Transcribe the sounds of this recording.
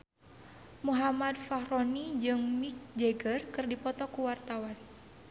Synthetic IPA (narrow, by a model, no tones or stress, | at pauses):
muɦamad̪fahɾonid͡ʒɨŋmik̚d͡ʒeɡərkɨrdipɔt̪ɔkuwart̪awan